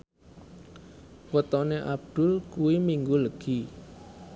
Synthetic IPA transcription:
wət̪ɔneʔab̚d̪̥ʊ̤lkuwimiŋɡuləɡ̥i

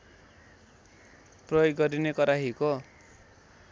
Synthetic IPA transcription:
prʌjoɡːʌɾinekʌɾaɦiko

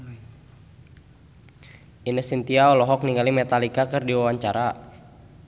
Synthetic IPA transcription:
inəsint̪iaɔlɔɦɔk̚niŋɡalimɛt̪alikakərdiwawaɲt͡ʃaɾa

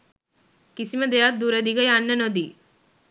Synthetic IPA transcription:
kisiməd̪ejat̪̚d̪uɾəd̪iɡəjanːənod̪i

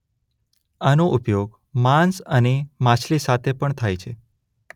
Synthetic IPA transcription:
anoʔʊpjoɡ | mãnsənemãt͡ʃʰlisat̪ʰepəɳt̪ʰajt͡ʃʰe

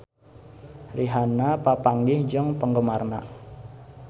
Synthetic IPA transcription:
riɦanapapaŋɡɪhd͡ʒɔŋpəŋɡəmarna̰ʔ

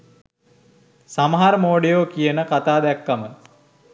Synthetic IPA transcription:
saməɦaɾəmoːɖijoːkijənəkat̪aːd̪ækːamə

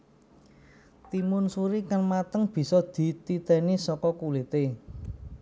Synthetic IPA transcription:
t̪imʊnsuɾikaŋmat̪əŋb̥i̤sɔd̪̥i̤t̪it̪ɛnisɔkɔkulɪt̪e

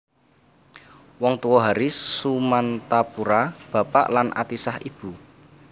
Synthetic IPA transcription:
wɔŋt̪uwɔɦaɾisumant̪apuɾab̥a̤pa̰ʔlanʔa̰t̪isahib̥ṳ

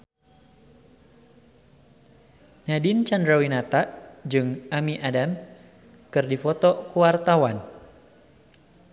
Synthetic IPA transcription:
nadɪnt͡ʃandɾawinat̪aʔd͡ʒɨŋamiʔadam | kɨrdifɔt̪ɔkuwart̪awan

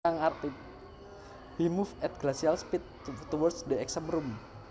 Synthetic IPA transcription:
aŋart̪i | wimufɛt̪̚ɡ̥lasialspit̪̚t̪ɔwɔrsdeɛksəmrum

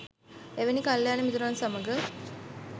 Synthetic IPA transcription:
eʋenikaljaːnemit̪uɾaːnsaməɡə

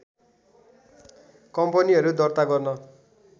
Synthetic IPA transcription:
kʌmpʌniɦʌɾud̪ʌrt̪aɡʌrnʌ

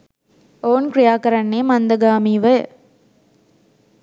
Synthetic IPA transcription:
oːnkɾɪjaːkɐɾɐɳːeːmɐnd̪ɐɡaːmiːʋɐ

